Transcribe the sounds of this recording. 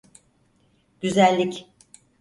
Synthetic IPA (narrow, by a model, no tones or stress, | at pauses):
ɟ̥yzælʲːic